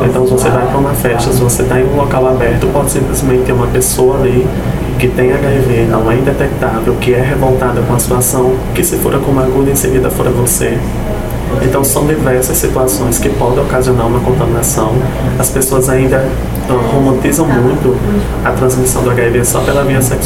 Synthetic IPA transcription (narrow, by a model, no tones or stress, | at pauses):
ẽt̪ɐ̃w̃vosevajpɾɐũmɐfɛʃt̪ɐsɪvoset̪aẽj̃ũlɔkawabɛɾt̪ʊpɔd̪ɪsĩplɪzmẽnt̪ɪt̪ːeɾũmɐpesowɐli | kɪt̪ẽj̃aɡaivenɐ̃w̃ɛĩnd̪ɛt̪ɛk̚t̪avewkɪɛɦevowt̪ad̪ɐkõɐsi̥t̪uasɐ̃w̃kɪsɪfoɾɐkõumaɡud̪ɐẽseɡid̪ɐfoɾɐvose | ẽt̪ɐ̃w̃sɐ̃w̃d̪ivɛɾsɐsːit̪uasõj̃skɪpɔd̪ẽɔkaziõnaɾũmɐkõnt̪ɐmĩnasɐ̃w̃ | ɐspesoɐzaĩnd̪ɐ | ɛhomɐ̃t̪izɐ̃w̃mũj̃t̪ʊ | ɐt̪ɾɐ̃zmisɐ̃w̃d̪ʊaɡaivesɔpelɐmĩɲɐsɛk